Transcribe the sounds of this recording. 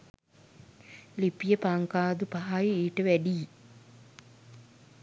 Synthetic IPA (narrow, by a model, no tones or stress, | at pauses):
lipijəpaŋkaːd̪upaɦajiiːʈəʋæɖije